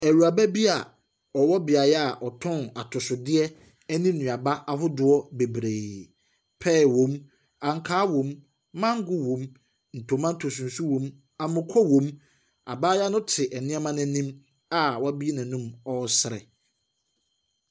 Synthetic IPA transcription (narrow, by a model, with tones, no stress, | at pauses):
æ˨ɾu˨a˨bæ˦bi˦a˨ | ɔ˨wɔ˦bɪ˨a˨jɛ˦a˨ʔɔ˨tʰɔ̃˦na˨tʰʊ˨sʊ˨dɪ˦ɛ˦ | ɛ˦nĩ˦nũ˨a˨ba˦ʔa˨ɦʊ˦dʊ˦ɔ˦be˨bɾeː˨ | pʰɛː˦˨wõ˨˦m | ã˨ŋ˨kʰaː˦wõ˨mː | ã˦ŋ˦ɡʊ˦wõ˨m | n̩˨tʰõ˨mã˦n˦tʰo˨sũ˨n̩˨su˦wõ˨m | ã˨mʊ̃˨kʰɔ˦wõ˨m | a̰˨baː˦ja˦nʊ̃˦tʰɪ˨ʔɛ˨nɪ̃˦ɛ˦mã˦nɪ̃˨nĩ˦m | a˨wɔ˦a˦bi˦nã˨nũ˦mɔ˦sɪ˨ɾɛ̰˨